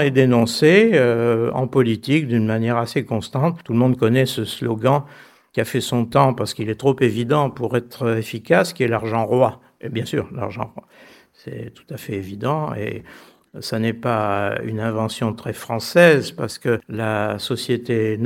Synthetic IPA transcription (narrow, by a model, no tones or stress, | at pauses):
ɛd̪enɔ̃seøɑ̰̃pɔlit̪ikd̪ynmanjɛʁasekɔ̃st̪ɑ̃t̪t̪ːuləmɔ̃d̪kɔnɛsəslɔɡɑ̃ | kʲiafɛsɔ̃t̪ɑ̃paʁsə̥kilɛt̪χopevid̪ɑ̃puʁɛt̪χəefikaskʲiɛlaʁʒɑ̃ʁwa | ebjɛ̃sy̰ːʁla̰ʁʒɑ̰̃ʁwa | sɛ̰t̪u̥t̪afɛevid̪ɑ̃ḛ | sanɛpay̰nɛ̃vɑ̃sjɔ̃t̪χɛfχɑ̃sɛzpaʁsə̥kəlasɔsjet̪en